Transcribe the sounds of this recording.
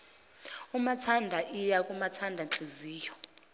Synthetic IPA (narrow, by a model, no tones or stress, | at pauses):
umatʰandʱaʔijakʼumatʰandʱanǁeziːjɔ